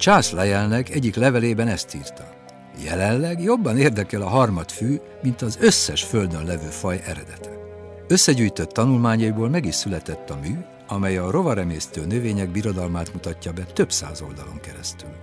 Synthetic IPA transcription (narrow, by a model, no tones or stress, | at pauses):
t͡ʃaːslɛjɛlnɛkɛɟːiklɛvɛleːbɛnɛst̪iːrt̪ɒ | jɛ̰lɛnlɛɡjo̞bːɒneːrd̪ɛkɛlɒɦɒrmɒt̪fyː | mint̪ɒzø̞sːɛʃfø̞ld̪ønlɛvøːfɒjɛɾɛd̪ɛt̪ʰɛ̥ | øsːɛɟyːjt̪ø̞t̪ːɒnulmaːɲɒjiboːlmɛɡiʃsylɛt̪ɛt̪ːɒmyː | ɒmɛjɒro̞vɒɾɛmeːst̪øːnøveːɲɛɡ̚biɾo̞d̪ɒlmaːt̪mut̪ɒcːɒbɛt̪ø̞bsa̰ːzo̞ld̪ɒlo̞̰ŋkɛɾɛst̪yl